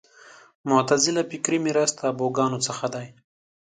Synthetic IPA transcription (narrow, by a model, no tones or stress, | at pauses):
mʊt̪azɪlapɪkɾimiɾast̪aboɡɑːnot͡səxad̪aj